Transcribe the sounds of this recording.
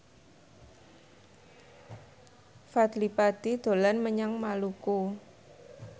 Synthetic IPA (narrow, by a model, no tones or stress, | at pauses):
fat̪lipad̪̥id̪̥o̤lanməɲaŋmaluku